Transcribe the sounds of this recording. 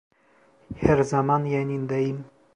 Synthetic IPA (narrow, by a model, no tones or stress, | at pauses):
heɾzamanjanʲind̪aim